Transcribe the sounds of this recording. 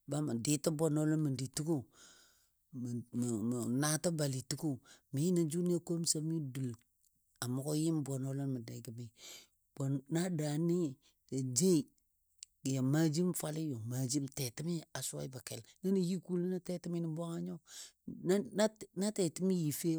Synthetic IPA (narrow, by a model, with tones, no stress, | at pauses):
ba˦ma˨di˦ti˦bo˨no˦lo˦nmi˨ndi˨tu˦ko˦˨ | m˨na˦ta˦ba˨li˨tu˦ko˦mi˨˦na˨d͡ʒu˦ni˦a˦ko˦m˦sa˦mi˦du˨l | a˨mo˨ko˦ji˦mbo˨no˦lo˦nmə˨da˨ɡi˨mi˨ | b̥o˨nna˦da˨ni˦ | da˨d͡ʒe˦i˨ | ja˨ma˦d͡ʒi˦mfa˦li˦jo˨ma˨d͡ʒi˦mte˨ti˦mi˦a˨sa̰˦i˦ba˨ke˨lna˦ni˨ji˦ku˦lna˦te˦ti˦mi˦ni˨bo˦ŋa˦ɲo˦ | na˦te˨ti˦mi˦ji˨fe˦